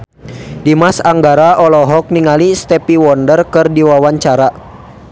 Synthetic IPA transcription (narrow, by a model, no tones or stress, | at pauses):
dimasaŋɡaɾaʔɔlɔɦɔk̚niŋalist̪ɛpiwɔndərkɨrdiwawaɲt͡ʃaɾa